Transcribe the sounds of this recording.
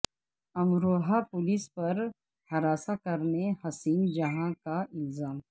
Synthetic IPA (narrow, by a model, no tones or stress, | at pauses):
ɐmɾoːɦapʊlɪspɐɾ | hɐɾaːsakɐɾnehɐsiːnd͡ʒɐɦãkaʔɪlzaːm